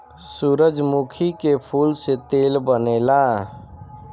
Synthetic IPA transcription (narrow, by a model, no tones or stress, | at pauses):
suɾəd͡ʒmukʰikepʰulset̪elbənela